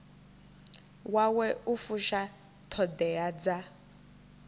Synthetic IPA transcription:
wawɛufuʃa | tʰɔdɛad͡za

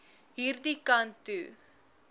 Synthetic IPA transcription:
ɪɾðikːaːnt̪ɯ

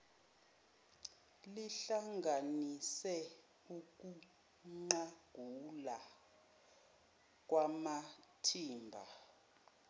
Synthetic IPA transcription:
liɬaŋɡʱanisɛ | uk̬ʼu | ŋ͡ǀaɡ̥ʱula | k̬ʼwamatʰiːmbʱa̰

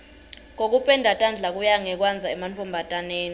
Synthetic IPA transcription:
ŋok̬upʼɛndʱatʼand͡ɮʱak̬ujaŋɛk̬wand͡zʱaɛmantʰɔmbʱatʼaneːni

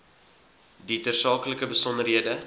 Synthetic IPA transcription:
ditərsɑːkləkəbəsɔndərɦiədə

